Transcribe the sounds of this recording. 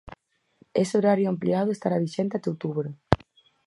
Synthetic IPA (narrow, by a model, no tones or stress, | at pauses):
eseoɾaɾjʊampliaðʊest̪aɾaβiʃent̪at̪owt̪uβɾo